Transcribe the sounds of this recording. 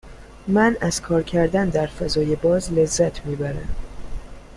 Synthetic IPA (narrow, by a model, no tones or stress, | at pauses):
mænæz̥kʰɒːɾcʰæɾd̪ænd̪æɾfæzɒːjebɒːzle̞zːæt̪ʰmiːbæɾæ̰m